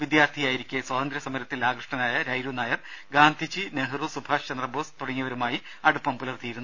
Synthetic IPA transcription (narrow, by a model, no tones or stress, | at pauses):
ʋid̪jaːrt̪ʰijaːjiɾikʲːueswɐːd̪ɐnd̪ɾɐsɐmɐɾɐt̪ːilaːɡrɨʂʈɐnaːjɐɾɐjɾunaːjɐrɡaːnd̪ʱit͡ɕːineɦrusubʱaːʂt͡ɕɐnd̪rɐboːst̪uɽɐŋːiʋɐɾumaːji | ɐɽupːɐmpulɐrt̪ijiɾunːu